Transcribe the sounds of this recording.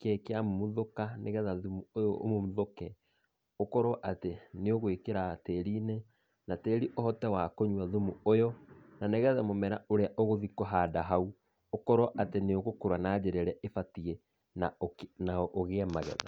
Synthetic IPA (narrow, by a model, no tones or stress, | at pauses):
kɛkeammuðokaneɣɛðaðumuojɔʔo̰momðokɛ | okɔɾwɔʔateneoɣwekeɾateɾine | nateːɾiʔohɔtɛwakoɲwaðumuojɔnaneɣɛðɛmomɛɾaoɾeaʔɔɣoðikɔɦadaɦau | okɔɾwɔʔateneoɣokoɾwanaːd͡ʑɛɾɛɾɛefatiɛ | nanaʔoɣeɛmaɣɛ̰ða̰